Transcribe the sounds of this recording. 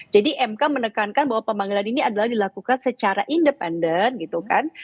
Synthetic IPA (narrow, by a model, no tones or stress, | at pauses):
d͡ʒadiʔɛmkamənəkankanbaɦwapəmaŋɡilaniniadalahdilakukansət͡ʃaɾaʔindəpɛndənɡit̪ukan